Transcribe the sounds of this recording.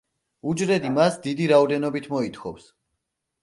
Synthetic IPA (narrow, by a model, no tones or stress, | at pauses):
ud͡ʒɾɛd̪imasd̪id̪iɾaɔd̪ɛnɔbit̪ʰmɔit̪ʰχʰɔfs